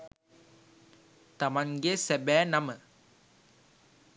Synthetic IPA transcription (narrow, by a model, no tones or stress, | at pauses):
t̪ɐmɐŋɡesɛbæːnɐmə